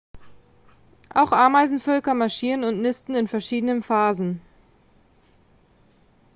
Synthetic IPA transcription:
ʔaʊxʔaːɐmaɪzn̩fœlkɐmaɐʃiːʁənʊntnɪstn̩ɪnfɛɐʃiːdənənfaːzn̩

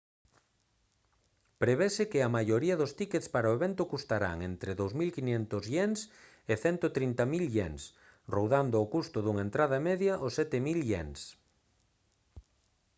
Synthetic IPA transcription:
pɾeβesɪkɪɐmajoɾiɐðʊst̪iket̪spaɾoeβent̪ʊkust̪aɾa̰ŋent̪ɾɪðowzmilkiɲɛnt̪ʊzʎens | ɪθɛnt̪ot̪ɾint̪amilʎeŋs | rowðand̪ʊokust̪ʊðuŋaent̪ɾað̞ɐmeðjɐʔosɛt̪ɪmilʎḛns

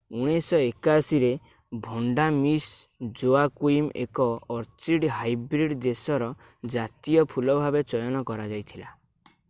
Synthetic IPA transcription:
uɽ̃isɔekasiɾe | bʱɔɳɖamisd͡ʒoakuimḛkɔːɾt͡ʃiɖɦajbɾiɖd̪esɔɾɔ | d͡ʒat̪ijɔpʰulɔbʱabet͡ʃɔjɔnɔkɔɾad͡ʒajt̪ʰila

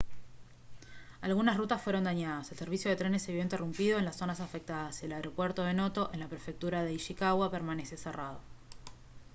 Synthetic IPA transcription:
alɣunasrut̪asfwe̞ɾo̞nd̪aɲaðase̞lse̞ɾβisjoð̞e̞t̪ɾe̞nesːeβjo̞int̪erumpiðo̞e̞nlasːo̞nasafek̚t̪aðasie̞laeɾo̞pwe̞ɾt̪oðeno̞t̪o̞ʔe̞nlapɾe̞fek̚t̪uɾaðe̞iʃikaɣwapeɾmaneseseraðo̞

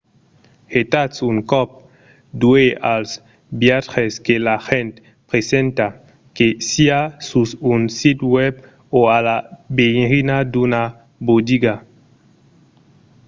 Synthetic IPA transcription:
het̪atsuŋkɔp̚ | d̪ueals | bjaχeskelaxẽnt̪ | pʁesẽnt̪a | kesiasusunsit̪wɛb | oalabeɾinad̪una | bod̪iɡa

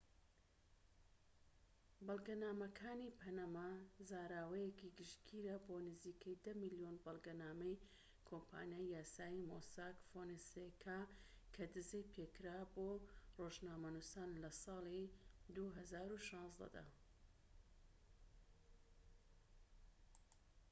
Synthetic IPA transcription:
bɑlˠɡɐnaːmɐkʰaːnipʰɐnamazaːɾaːwɐjekiɡɨʃkʰiːɾɐboːnɨziːkʰɐjd̪ɐmɨlijonbɨlˠɡɐnaːmɐj | kʰompʰa̰ːnijaːjjaːsaːimosaːkfonisekʰa | kʰɐd̪ɨzejpʰeːkɾaːboːroʒnaːmɐnusaːnlɐsɑːlˠid̪uɦɐzaːɾuʃɑ̃ːnzd̪ɐ̰d̪ɐ̰

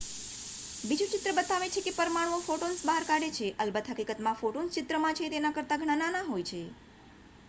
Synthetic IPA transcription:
bid͡ʒũt͡ʃɪt̪ɾəbət̪aʋet͡ʃʰekepəɾmaɭõfoʈonsbaɦaɾkaɽet͡ʃʰeʔəlbət̪ɦəkikət̪mãfoʈonst͡ʃɪt̪ɾəmãt͡ʃʰet̪enãkəɾt̪aɡʱəɽ̃ananaɦojt͡ʃʰe

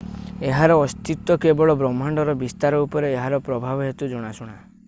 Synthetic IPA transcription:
eɦaɾɔːst̪it̪wɔkebɔɭɔbɾɔmːaɳɖɔɾɔbist̪aɾɔupɔɾeːɦaɾɔpɾɔbʱabɔɦet̪ud͡ʒɔɽ̃asuɽ̃a

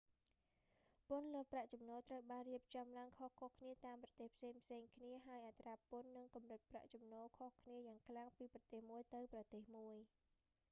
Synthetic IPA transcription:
pʊ̆nlŏəhpraʔt͡ɕɑmnɔːlt̪rəwɓaːnriəp̚t͡ɕɑmlaəŋkʰohkʰohkʰniət̪aːmprɑt̪eːhpʰseːŋpʰseːŋkʰniəɦaəjʔat̪raːpʊənːɨŋkɑmrɨt̪̚pra̰ʔt͡ɕumnɔːlkʰohkʰniəjaːŋkʰlaŋpiːprɑt̪eːhmuəjt̪ɨwprɑt̪eːhmuəj

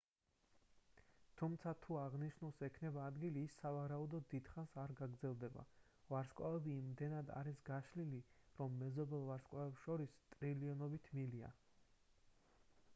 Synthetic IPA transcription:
t̪ʰumt̪sʰat̪ʰuaʁniʃnulˠsɛkʰnɛbaːd̪ɡiliːsːavaɾaud̪ɔd̪id̪̥χansaɾɡaɡɾdzɛlˠd̪ɛba̰ | vaɾskʼwa̰vɛbimd̪ɛnad̪a̰ɾisɡaʃliliɾɔmːɛzɔbɛlˠvaɾskʼavɛpsʃɔɾist̪ʼɾiliɔnɔbit̪ʰmilia̰

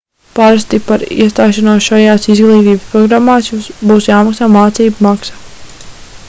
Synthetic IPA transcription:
paɾast̪ipaɾḭɛst̪aːʃanoɔsʃajaːsizɡlˠiːt̪iːbəspɾɔɡɾamːaːsjumsbuːsjaːmaksaːmaːt̪siːbumaksa

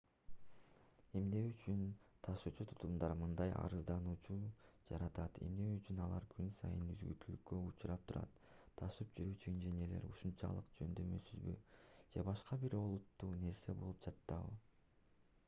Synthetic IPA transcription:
e̞mne̞yt͡ʃynt̪ʰɑʃuːt͡ʃut̪ʰu̥t̪umd̪ɑɾmɯnd̪ɑjɑ̰ɾɯzd̪ɑnuːt͡ʃud͡ʒɑɾɑt̪ɑt̪ʰe̞̰mne̞yt͡ʃynɑlˠɑɾkʰynsɑ̰jɯnyzɡy̰ɾt̪ʰylykkːøut͡ʃuɾɑp̚t̪ʰuɾɑ̰t̪ʰː | ɑʃɯpd͡ʒyɾyːt͡ʃynd͡ʒenele̞̰ɾuʃunt͡ʃɑ̰lˠɯqd͡ʒø̞nd̪ø̞mø̞syzbyd͡ʒe̞bɑʃqɑbiɾo̞lˠut̪ːuːne̞ɾse̞bo̞lˠupd͡ʒɑt̪ːɑβɯ̰

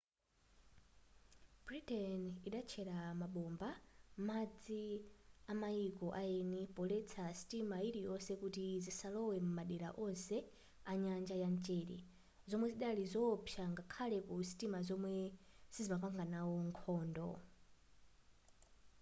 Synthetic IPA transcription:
b̥ɾitɛniɗat͡ʃʰɛɾamaɓɔmbamad͡ziamaikɔʔaɛnipɔlɛt͡sʰasi̥timaiɾijɔsɛkutizisalɔwɛmumaɗɛɾa̰ʔɔnsɛ | aɲand͡ʒajant͡ʃɛːɾɛ̰ | zɔmwɛziɗalizɔpʰjaŋɡakʰalɛkusi̥timazɔmwɛz̥izimakaŋɡanawɔŋkʰɔːndɔ̰

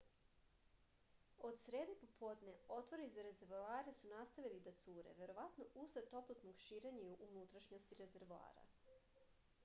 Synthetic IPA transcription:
o̞d̪sɾeːd̪epo̞pʰo̞ːd̪neo̞t̪ʋoɾizaɾe̞ze̞ɾvaːɾesunast̪aʋilid̪at̪suːɾḛʋe̞ɾo̞ʋat̪noʔuset̪o̞plˠat̪noɡʃiːɾe̞ɲaiuʔunut̪ɾaʃɲo̞st̪iɾe̞ze̞ɾʋua̰ːɾa̰

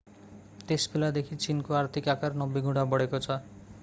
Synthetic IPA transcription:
t̪espʰelad̪ekʰit͡ʃinkoaɾt̪ʰikakaɾnɔbiɡʱũɽ̤abɔɽekot͡sʰɔ

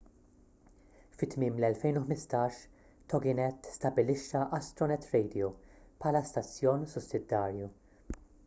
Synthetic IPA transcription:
fɪt̪mɪːmlɛlfɛjnʊħmɪst̪ɐːʃ | t̪ɔɡɪnɛt̪ːst̪ɐbɪlɪʃːɐʔɐst̪ɾɔnɛt̪ɾɛjd̪iopħɐlɐst̪ɐt͡sːjɔːnsʊsːɪd̪ːɐːɾju

